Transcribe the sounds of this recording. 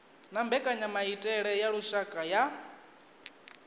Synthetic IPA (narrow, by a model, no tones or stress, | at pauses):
nambɛkʼaɲamaitʼɛɺɛjaɺuʃakʼaja